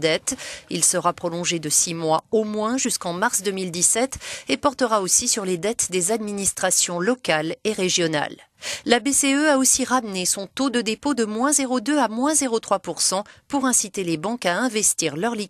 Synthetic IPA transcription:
d̪ɛt̪ilsəʁapχɔlɔ̃ʒed̪əsimwaomwɛ̃ʒyskɑ̃maʁsd̪ømild̪isɛt̪epɔʁt̪əʁaosisyʁled̪ɛt̪d̪ezad̪minist̪χasjɔ̃lɔkaleʁeʒjɔna̰lː | abeseøaosiʁamnesɔ̃t̪od̪əd̪epod̪əmwɛ̃zeʁod̪øamwɛ̃zeʁot̪χwapuʁsɑ̃puʁɛ̃sit̪elebɑ̃kaɛ̃vɛst̪iʁlœʁli

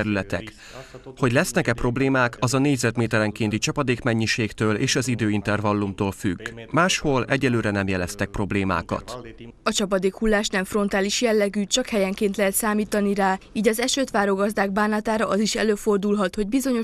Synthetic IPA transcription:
ɛɾylɛt̪ɛ̰k | ho̞ɟlɛsnɛkɛpro̞bleːmaːkɒzɒneːɟzɛt̪meːt̪ɛɾɛŋkeːnt̪it͡ʃɒpɒd̪eːkmɛɲːiʃeːkt̪øːlḛːʃɒzid̪øːint̪ɛrvɒlːumt̪oːlfy̰ɡmaːʃho̞lɛɟːɛløːɾɛnɛmjɛlɛst̪ɛk̚pro̞bleːma̰ːkɒ̰t̪ɒt͡ʃɒpɒd̪eːkhulːaːʃnɛɱfro̞nt̪aːliʃjɛlːɛɡyːt͡ʃɒkhɛjɛŋkeːnt̪lɛɦɛt̪saːmiːt̪ɒniɾaːiːɟɒzɛʃøːt̪ʋaːɾoɡɒzd̪aːɡ̚baːnɒt̪aːɾɒʔɒziʃɛ̰løːfo̞rd̪ulɦɒt̪ho̞ɟbizo̞ɲo̞

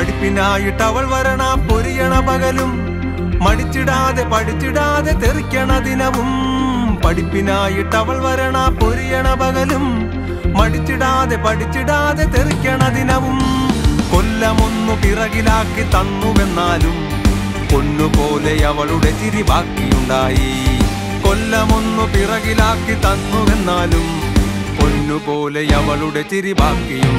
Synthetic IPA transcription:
pɐɽipːinaːjiʈːɐʋɐɭʋɐɾɐɳapo̞ɾijɐɳɐbɐɣɐlumː | ɐɽit͡ɕːiɽaːðepɐɽit͡ɕːiɽaːðet̪erikʲːɐɳɐd̪inɐʋum | pɐɽipːinaːjiʈːɐʋɐɭʋɐɾɐɳapo̞ɾijɐɳɐbɐɣɐlumː | ɐɽit͡ɕːiɽaːðe̞pɐɽit͡ɕːiɽaːðe̞t̪erikʲːɐɳɐd̪inɐʋumkolːɐmonːupirɐɣilaːkːit̪ɐnːuʋenːaːlum | konːupoːlejɐʋɐɭuɽet͡ɕiɾibʱaːkːijuɳɖaːji | kolːɐmonːupirɐɣilaːkːit̪ɐnːuʋenːaːlum | konːupoːlejɐʋɐɭuɽe̞t͡ɕiɾibʱaːkːiju

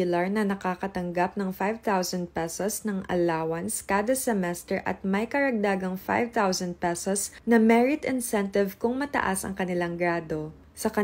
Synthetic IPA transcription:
ɪlɐɹnɐnɐkakɐt̪ɐŋɡap̚nɐŋfajvt̪awsɐnd̪̚pɛsosnɐŋʔɐ̰laːwɐnskaːd̪ɐsɛmɛst̪ɛɹʔɐ̰t̪̚mɐjkɐɾɐɡ̚d̪aːɡɐŋfa̰jvt̪awsɐnd̪̚pɛsosnɐmɛɹɪt̪ɪnsɛnt̪ɪvkʊŋmɐt̪ɐ̰ʔasɐ̰ŋkɐnɪlaŋɡɾaːd̪o̞ | sɐkɐ

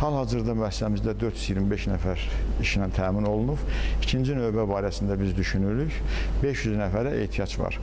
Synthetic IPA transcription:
hɑlˠhɑzɯɾd̪ɑmyæsːæmizd̪æd̪ø̞ɾt̪ʰjyzjiɾmibe̞ʃnæfæɾiʃinænt̪ʰæːmino̞lˠunuvicʰind͡ʒinø̞jbæbɑːɾæsind̪æbizd̪yʃynyɾyçbe̞ʃjyznæfæɾæʔḛht̪ʰijɑd͡ʒvɑ̰ɾ̥

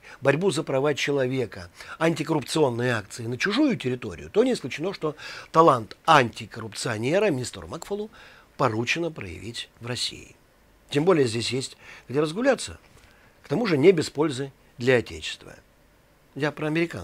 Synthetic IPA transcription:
bɐɾʲbuzəpɾɐvat͡ɕɪlˠɐvʲe̞kəɐnʲtʲɪkəɾʊpt̪sɨo̞nːɨjəak̚t̪sɨɪnət͡ɕʊʐujʊtʲɪɾʲɪt̪o̞̰ɾʲɪ̰jʊt̪o̞nʲɪːsklʲʉt͡ɕɪno̞ʂt̪o̞t̪ɐlˠant̪anʲtʲɪkəɾʊpt̪sɨɐnʲe̞ɾəmʲɪnʲist̪rʊ̰makfolˠʊ | pɐɾut͡ɕɪnəpɾə̰jɪ̰vʲitʲvrɐsʲḭjɪ̰ | tʲembo̞lʲɪjəzʲdʲesʲjesʲtʲɡdʲeɾəzɡʊlʲat̪sːə̰ | kt̪ɐmuʐɨnʲebʲɪspo̞lʲzɨ | d̪lʲɐɐtʲḛt͡ɕɪ̥st̪və̰ | japɾəɐmʲɪɾʲɪka̰

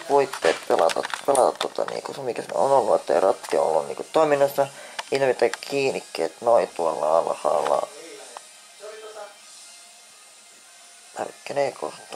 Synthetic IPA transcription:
puit̪ːeːt̪pelɑt̪ɑpelɑt̪ɑt̪tuot̪ɑnḭːkusemikæsnḛonolːuot̪ːḛirɑt̪ːio̰lːunnḭːkut̪t̪oiminːosːɑinmet̪ækkʰiːnikːeːt̪noit̪uɑlːɑɑlɑhɑ̰ːlːɑ̰ | ɑ̰rkːeneːkʰo̰ht̪ːɑ

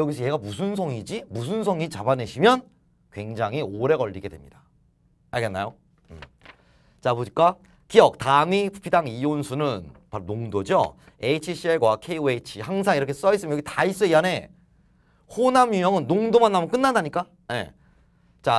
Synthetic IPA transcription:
jʌɡisʰʌjeɡamusʰunsʰʌŋid͡ʑimus̬ʰuns̬ʰʌŋit͡ɕabane̞ɕʰimjʌn | kwe̞ŋd͡ʑaŋɦioɾe̞ɡʌʎːiɡe̞dwe̞̰mɲḭda | aɭɡe̞nːa̰jo | ɯm | t͡ɕaboɲik͈a | kijʌk̚tamipʰu̥pʰidaŋionsʰunɯnpaɾonoŋdod͡ʑo̰ | e̞t͡ɕʰiɕʰieɭɡwakʰeiet͡ɕʰihaŋsʰaŋiɾʌkʰe̞s͈ʌis͈ɯmjkʰitais͈ueiane̞ | honamjumjʌŋɯnːoŋdomanːamʌnk͈ɯnːandaɲik͈a | je̞̰ | t͡ɕa

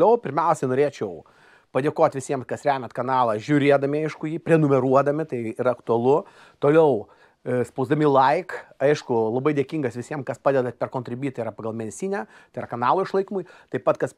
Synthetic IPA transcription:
lʲɛʊpʲɪɾʲmʲɛʊsʲɛnoːɾʲeːt͡ʃʲɛʊ | pɐd̪ʲeːkoːt̪ʲʋʲɪsʲiɛmkɐsɾʲæːmʲɛt̪kɐnɑːlˠɐʒʲʊɾʲeːd̪ɐmʲɪɐɪʃkʊjiːpʲɾʲɛnʊmʲɛɾuɔd̪ɐmʲɪt̪ɐɪɪɾɐɐkt̪ʊɐlˠʊ | t̪oːlʲɛʊ | spɐʊzd̪ɐmʲiːlˠɐɪkɐɪʃkʊlˠɐbɐɪd̪ʲeɛkʲiŋɡɐsʋʲɪsʲiɛmkɐspɑːd̪ʲɛd̪ɐpʲɛrkoːnʲt̪ɾʲɪbʲiːt̪ɐɪiɾɐpɐɡɐlˠmʲɛnʲsʲiːnʲɛ | t̪ɐɪɾrɐkɐnɑːlˠoːɪʃlˠɐɪkʲimʊjt̪ɐɪpɐt̪kɐs

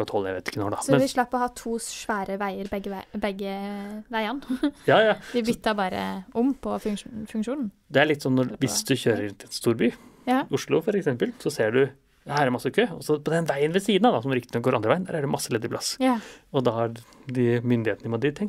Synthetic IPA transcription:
ɔt̪hɔlːəæʋḛɪt̪ɪ̥kːənɔɖɑmɛnʋɪʂɭɑpːɔhɑːt̪ʰuːʂʋæːɾəʋæɪəɾbɛɡːəbɛɡəʋæɪɑnjɑːjɑːʋɪbʏt̪ːɑbɑːɾə̰ʔʊmpʰɔfʉŋkʂuːnn̩ | d̪ɛæɭɪt̪ːsɔnːɔʋɪsd̪ʉçøːɾəɾʉnɪɛnst̪uːɾbyːʊʂlʊfɔɾɛksɛmpəlsɔseːɖʉ | ɑhæːɾæɾmɑsːəkʰøːɔsɔpʰɔd̪ɛnʋæɪənʋɛsiːd̪nɑd̪ɑsɔmɾɪkt̪ɪnɔɡoːɾɑnd̪ɾʋæɪnd̪æ̰ɾæɖɛmɑsːəlɛd̪əɾplɑsɔd̪ɑhɑd̪ɪmʏnd̪ɪheːt̪nəʋɪmɔd̪ɪt̪ʰɛŋ

